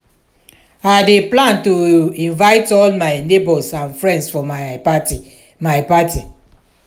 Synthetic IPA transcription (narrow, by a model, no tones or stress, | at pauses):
adeplãntoĩnvaɪtɔlmaɪnebɔsãnfɹɛ̃ndsfɔmapati | maɪpati